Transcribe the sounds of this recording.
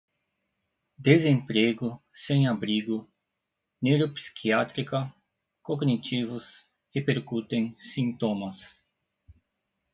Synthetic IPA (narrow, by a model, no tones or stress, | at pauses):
d̪ezẽmpɾeɡʊsẽj̃abɾiɡʊ | newɾopsi̥kʰiat̪ɾikɐ | koɡnit͡ʃivʊs | epeɾkut̪ẽŋ̃sĩnt̪õmɐs